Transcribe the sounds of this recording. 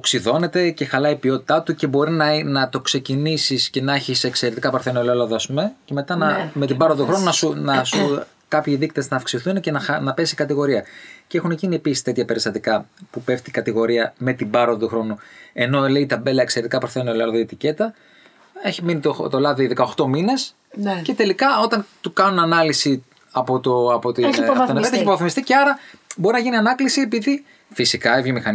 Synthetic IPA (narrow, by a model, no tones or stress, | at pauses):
oksiðo̞ne̞t̪e̞ce̞xɐlɐipio̞t̪i̥t̪ɐt̪uce̞bo̞ɾinɐnɐt̪o̞kse̞cinisisce̞nɐçisekse̞ɾet̪ikɐpɐɾθenoelolɐðɐɐspumece̞me̞t̪ɐnɐme̞t̪ibɐɾoðt̪uxɾo̞nunɐsunɐsu | kɐpçiðikt̪eznɐːfksiθuncenɐnɐpe̞sikɐt̪iɣo̞ɾiɐce̞xuneciniepisi̥st̪e̞t̪çɐpe̞ɾist̪ɐt̪ikɐpupeft̪ikɐt̪iɣo̞ɾiɐme̞t̪ibɐɾoðɐt̪uxɾo̞nue̞no̞le̞it̪ɐbe̞lɐekse̞ɾet̪ikɐpuθenolɐlðoit̪ice̞t̪ɐ | eçiminit̪ot̪olɐðiiðekɐo̞xt̪o̞mine̞s | ce̞t̪e̞likɐo̞t̪ɐnt̪ukɐnunɐnɐlisi | ɐpot̪oɐpot̪ionvet̪eçipɾoɐθimist̪iceɐɾɐbo̞ɾinɐʝiniɐnɐklisiepiði | fisikɐevʝomixɐn